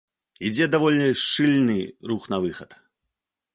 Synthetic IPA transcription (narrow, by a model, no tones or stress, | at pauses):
id͡zʲɛd̪avɔlʲnʲiʂt͡ʂɨlʲnɨɾuxnɐvɨxɐt̪